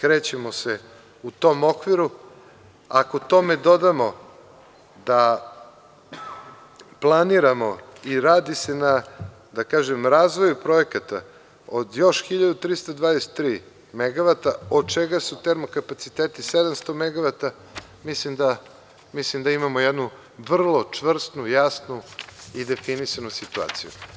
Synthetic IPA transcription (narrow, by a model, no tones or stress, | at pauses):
kɾeːt͡ɕemo̞se | ut̪o̞mo̞kʋiɾu | akot̪o̞me̞d̪o̞d̪amo̞ | d̪a | plˠaniɾamo̞iɾaːd̪isena | d̪akaːʒemɾaːzʋo̞jupɾo̞ekat̪a̰ | od̪jo̞ʃxiʎad̪ut̪ɾist̪ad̪vad̪ese̥t̪ːɾiː | meɡaʋat̪ao̞d̪̚t͡ʃeɡasut̪eɾmo̞kapat̪sit̪et̪ised̪amst̪omeɡaʋat̪a | mislimd̪a | mislimd̪aimamojed̪nu | ʋr̩lˠo̞t͡ʂʋr̩st̪nujasnuid̪e̞finisanusit̪ua̰ːt̪sḭjṵ